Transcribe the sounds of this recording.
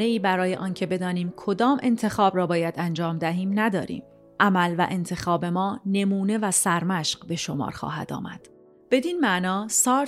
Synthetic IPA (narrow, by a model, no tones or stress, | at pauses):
ne̞iːbæɾɒːjeʔɒːncʰe̞be̞d̪ɒːniːmkʰo̞d̪ɒːmʔe̞̰nt̪ʰe̞xɒːbɾɒːbɒːjæd̪ænd͡ʒɒːmd̪æɦiːmnæd̪ɒ̰ːɾḭːm | ʔæmælvæ̰ʔe̞nt̪ʰe̞xɒːbe̞mɒːne̞muːne̞væsæɾmæʃɢbe̞ʃomɒ̰ːɾxɒ̰ːɦæ̰d̪ɒ̰ːmæ̰d̪̥ | b̥e̞d̪iːnmæʔnɒːsɒːɾ